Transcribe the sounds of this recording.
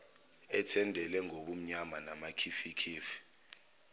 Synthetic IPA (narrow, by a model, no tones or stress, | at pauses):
ɛtʰɛndʱɛlɛŋʱoɓum̩ɲamanamakʰifikʰiːfi̥